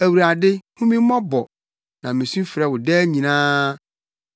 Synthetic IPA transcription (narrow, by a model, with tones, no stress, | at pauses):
æ˨wu˨ɾa˨dɪ˦hũ˦mĩ˦mɔ̃˦bɔ˨ | nã˨mɪ̃˨sũ˦fɪ˨ɾɛ˨wʊ˨dɛː˦ɲĩ˨nãː˦